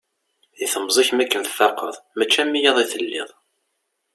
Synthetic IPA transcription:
iθəmːzˤiçmækːənθθɑqːəðˤmæt͡ʃːæmːijɑðˤiθəlːɪ̰ðˤ

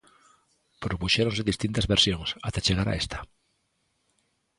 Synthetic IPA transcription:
pɾopuʃeɾoŋsɪðist̪int̪ɐzβeɾsjoŋsat̪et͡ʃeɣ̞aɾa̰est̪ɐ̥

